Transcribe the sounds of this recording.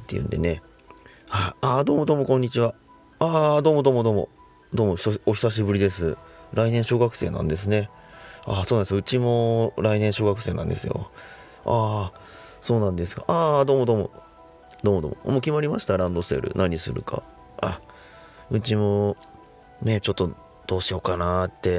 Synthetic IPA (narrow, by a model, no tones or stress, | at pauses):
t̪ːḛɯ̟̰̃nd̪e̞̰ne̞ | haiad̪o̞ːmo̞d̪o̞ːmo̞kõɲ̟ːit͡ɕiβa | ad̪o̞ːmo̞d̪oːmo̞d̪o̞ːmo̞̰ | d̪oːmoç̥oo̞çʲi̥saɕ̬ibɯ̟ɾʲid̪e̞sɨɾainẽ̞ɰ̃ɕo̞ːɡakɯ̟̥se̞ːnã̰nd̪e̞s̬ɨne̞ | aso̞ːnand̪soɯ̟t͡ɕimo̞ɾainẽ̞ɰ̃ɕo̞ːɡakɯ̟se̞ːnãnd̪e̞sɨjo̞̰ | a | so̞ːnãnd̪e̞sɨɡa̰ʔaːd̪o̞ːmo̞d̪o̞ːmo̞̰ | d̪o̞ːmo̞d̪o̰ːmomoːkʲimaɾʲimaɕi̥t̪aɾãnd̪o̞sɨe̞̰ɾɯ̰naɲ̟isɨ̰ɾɯ̟kʰa̰ | a | ɯ̟t͡ɕimo̞ | net͡ɕo̞t̪ːo̞ | d̪̥o̞ːɕijo̞kanat̪ːe̞